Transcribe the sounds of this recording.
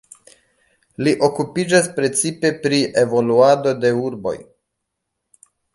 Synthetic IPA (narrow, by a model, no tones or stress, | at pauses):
liʔo̞kupid͡ʒaspɾe̞t͡sipe̞pɾiʔevo̞luado̞de̞uɾbo̞̰j